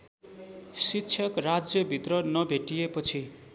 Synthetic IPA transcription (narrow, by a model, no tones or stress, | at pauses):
sitːt͡sʰʌkrad͡zjʌbʱit̪rʌnʌbʱeʈijepʌt͡sʰi